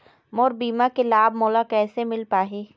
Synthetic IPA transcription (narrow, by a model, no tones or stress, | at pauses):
mɔːɾbiːmakelaːbmɔːlakɛːsemɪlpaːɦeː